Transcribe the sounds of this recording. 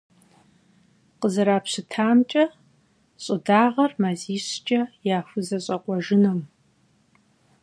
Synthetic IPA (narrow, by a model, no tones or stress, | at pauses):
qəzɐɾaːpɕɨtʰaːmt͡ʃʼɐ | ɕʼɨdaːʁɐrmaziːɕt͡ʃʼɐjaːfʷɨzɐɕʼɐqʷʼɔʒɪnɐm